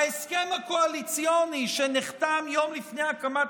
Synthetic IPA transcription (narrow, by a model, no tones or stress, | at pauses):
aeskemhakoalit͡sjoniʃeniχt̪amjomlifnejakama